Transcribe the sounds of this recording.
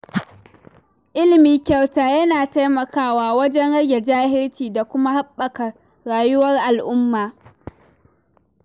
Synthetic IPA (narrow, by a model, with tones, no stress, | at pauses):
ʔɪ˦lɪ˨miː˨kʲa˨wtaː˨jɐ˦naː˨ta˦jmɐ˨kaː˦waː˦wɐ˦d͡ʒɛ˦nɽɐ˦ɡʲe˨d͡ʒaː˦hɪ˦ɽt͡ʃiː˨da˨kʷʊ˦ma˦ha˦ɓːɐ˨kɐ˨ | ɽaː˨jʊ˦wɐ˦rʔa˨lʔʊ˦mːaː˨